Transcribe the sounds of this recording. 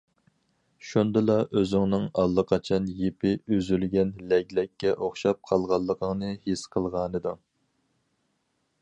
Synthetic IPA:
ʃund̪ɨlˠɑʔøzɪŋnɨŋɑlˠːəqʰɑt͡ʃʰɑnjepʰɪyzylɡʲɛnlɛɡʲlɛkʲːɛʔoχʃɑp̚qʰɑlˠʁɑlˠːəqʰəŋnɨhesqʰəlˠʁɑːnɨd̪u

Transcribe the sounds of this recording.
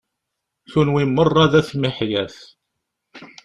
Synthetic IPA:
θunwimːərˤːɑðæθmiħjæθ

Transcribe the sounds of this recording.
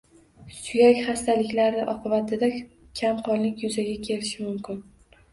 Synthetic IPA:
sʊjakʲχast̪ʰalɪkʲlaɾnɪʔɒqɨbat̪ʰɪd̪a | kʲʰamqʰɒnllɪkʲjʊzaɡʲakʲʰe̞lɪʃɪmʊmkʲɪn

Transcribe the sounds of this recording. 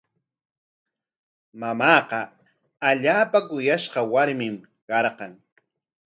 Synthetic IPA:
mamɑːqɑ | aʎaːpakʊjaʃqɑwaɾmɪm | ɢɑɾqɑŋ

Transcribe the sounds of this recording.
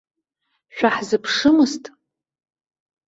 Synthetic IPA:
ʃᶣaħzɨpʰʂɨmɨstʼ

